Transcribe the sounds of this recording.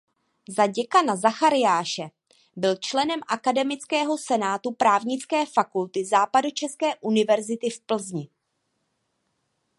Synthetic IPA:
zaɟɛkanazaxaɾɪjaːʃɛ | bɪlt͡ʃlɛnɛmʔakadɛmɪt͡skɛːɦo̞sɛnaːt̪upɾaːvɲɪt͡skɛːfakult̪ɪzaːpadut͡ʃɛskɛːʔunɪvɛɾzɪt̪ɪfpl̩zɲɪ

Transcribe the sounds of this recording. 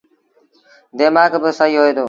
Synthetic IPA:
d̪eːmaːɡbəsəɦiːɦoːeːd̪oː

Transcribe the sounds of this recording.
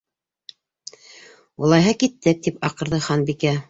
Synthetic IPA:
ŭlˠɑjɦɤkit̪ːɘk̚t̪ipɑqɤ̆ɾðɤχɑnbikæ

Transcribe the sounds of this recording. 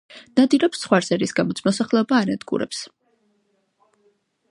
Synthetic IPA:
n̥ad̪iɾɛpsːχwaɾsɛɾisɡamɔt̪sʰmɔsaχlɛɔbaːnad̪ɡṵɾɛ̰ps

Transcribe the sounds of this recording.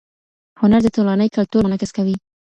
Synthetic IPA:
hʊnaɾd̪ət̪olanəjkalt̪uɾmanɑkɪskawi

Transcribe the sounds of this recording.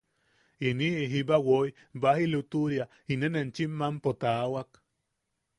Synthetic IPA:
iniɦibawoj | bahilut̪uɾja | inenent͡ʃimːampot̪awak

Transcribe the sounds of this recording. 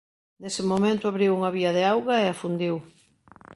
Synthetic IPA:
d̪esɪmomẽnt̪ʊaβɾiwuŋɐβiɐð̞ɪawɣɐeafund̪iw

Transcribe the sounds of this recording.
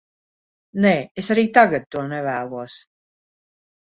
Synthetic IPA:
neːesaɾiːt̪aɡat̪̚t̪ːuɔnɛvæːlˠuɔs

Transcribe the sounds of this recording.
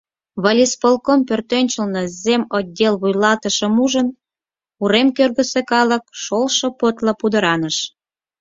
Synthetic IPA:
βɑlʲispolkompørt̪ønʲt͡ɕəlnɤ̆zemod̪ʲːelβujlɑt̪əʃə̆muʒən | uɾemkørɣə̆sekɑlə̆k̚ʃolʃŏpot̪lɑpud̪ə̆ɾɑnəʃ

